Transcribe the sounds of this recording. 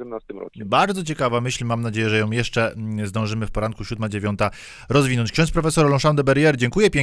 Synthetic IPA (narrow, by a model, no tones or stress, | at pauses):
ɛmnast̪ɪmɾɔ̰kʲɛbaɾd̪zɔt͡ɕɛkavamɘɕlmamnad͡ʑejɛʐɛjɔ̃w̃jɛʂt͡ʂɛzd̪ɔ̃w̃ʐɘmɘfpɔɾankuɕud̪mad͡ʑevʲjɔnt̪a | ɾɔzvʲinɔɲt͡ɕkɕɔ̃nspɾɔfɛsɔɾɔlɔ̃ʂand̪ɔbɛɾjɛɾd͡ʑɛŋkujɛpʲɛ